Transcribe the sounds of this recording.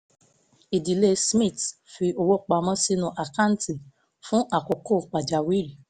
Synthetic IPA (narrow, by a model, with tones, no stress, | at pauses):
i˨di˨le˦smĩ˦˨tfi˧o˧wo˦k͡pa˧mɔ̃˧˦si˦nũ˧˦ʔa˨ka˦˨n̩˦ti˨ | fũ˦ʔa˨ko˨ko˦˨k͡pa˨d͡ʒa˨wi˦ɾi˨